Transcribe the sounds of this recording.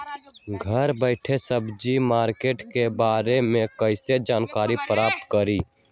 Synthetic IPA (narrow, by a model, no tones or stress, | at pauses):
ɡʱəɾbəɪʈʰesəbd͡ʒimaːɾkeːʈkebaːɾemẽkəɪsed͡ʒaːnkaːɾipɾaːp̚t̪kəɾiː